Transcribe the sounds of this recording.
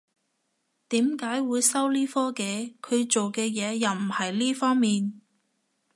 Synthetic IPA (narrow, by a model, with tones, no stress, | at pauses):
t̪iː˨˥mkaː˨˥jwuː˨˧jsɐ˥wliː˥fɔː˥ke˨˧kʰɵ˨˧ɥt͡ʃo˨wkɛː˧jɛː˨˧jɐ˨wm̩˨˩hɐ˨jliː˥fɔː˥ŋmiː˨n